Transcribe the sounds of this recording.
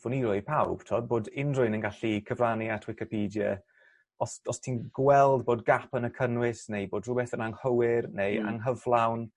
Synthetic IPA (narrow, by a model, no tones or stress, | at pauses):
vʊniɾʊɨpʰawb̥tʰoːd̚boːdɪndrʊɨnənɡaɬikʰəvraniatʰwɪkɪpʰiːdjə̰ | ɔsɔstʰiːnɡwɛlˠdboːdɡapʰənəkʰənwɪsnejboːdrʊbɛθənaŋhəwɪrneja̰ŋɦəvlˠawn